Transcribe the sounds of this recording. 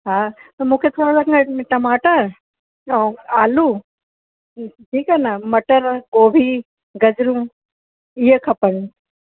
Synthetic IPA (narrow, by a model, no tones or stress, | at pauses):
ɦaːt̪ɐmũːkʰet̪ʰoːɾolɐkʈɐmaːʈəɾ | aːlu | ʈʰiːkaːnamɐʈəɾkoːbʱi | ɡɐd͡ʑɾũ | iɦəkʰɐpəɽ̃